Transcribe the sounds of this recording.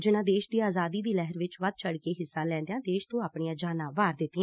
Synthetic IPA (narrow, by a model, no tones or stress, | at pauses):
d͡ʒɪnãːd̪eːʃd̪iːaːzaːd̪iːd̪iːlɛːɦəɾʋɪt͡ʃʋəd̪̚t͡ʃʰəɽkeːɦɪsːãːlɛ̃ːnd̪eãːd̪eːʃt̪õːaːpɳiːãːd͡ʒaːnãːʋaːɾd̪ɪt̪ːɪːɛ̃